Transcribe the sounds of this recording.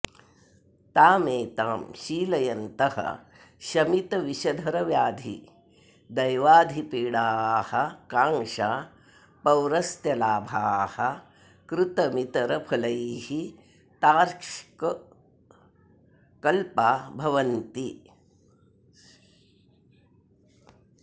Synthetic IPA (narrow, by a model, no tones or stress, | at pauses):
t̪aːmeːt̪aːmʃiːlɐjɐnt̪ɐhɐ̰ | ʃɐmit̪ɐʋiʃɐd̪ʱɐɾɐʋjaːd̪ʱḭ | d̪ɐjʋaːd̪ʱipiːɽaːhɐ̆kaːŋʃaː | pɐwɾɐst̪jɐlaːbʱaːhɐ | kɾut̪ɐmit̪ɐɾɐpʰɐlɐjhi | t̪aːɾʂk | kɐlpaːbʱɐʋɐnt̪i